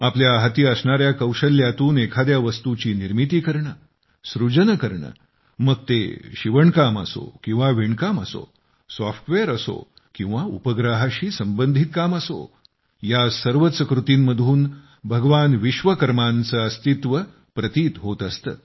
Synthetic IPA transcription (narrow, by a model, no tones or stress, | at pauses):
apljaɦət̪iːəsɳaɾjakəwɕəljat̪uːnekʰad̪jaʋəst̪ut͡ɕiːniɾmit̪iːkəɾɳə | sɾud͡ʑənəkəɾɳə̰ | məɡ̚t̪ḛɕiʋəɳkamə̰so̰kĩw̃ʋaʋiɳkaməso̰ | sɔfʈʋeɾəso̰ | kĩw̃ʋaupəɡɾaɦaɕiːsəmbənd̪ʱit̪̚kaməso̰ | jasəɾʋət̪səkɾut̪iːmməd̪ʱuːn | bʱəɡʋanʋiɕʋəkəɾmant͡səːəst̪it̪ʋə | pɾət̪iːt̪ɦot̪əst̪ə̰ː